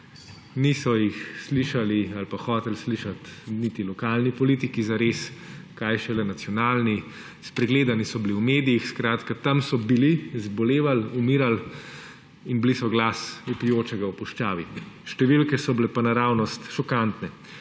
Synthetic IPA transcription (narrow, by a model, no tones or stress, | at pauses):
nisɔjixsliʃalialpaxɔːt̪ɛlsliʃat̪nit̪ilɔkaːlnipɔliːt̪ikizaɾeːskajʃɛlɛnat̪sjɔnaːlni | spɾɛɡleːd̪anisɔbiliuwmeːd̪ijixskɾaːt̪kat̪amsɔbilizbɔleːʋalumiːɾal | inblisɔɡlaːsupijoːt͡ʃɛɡawpuʃt͡ʃaːʋiʃt̪ɛʋilkɛsɔblɛpanaɾaːwnɔst̪ʃɔkant̪nɛ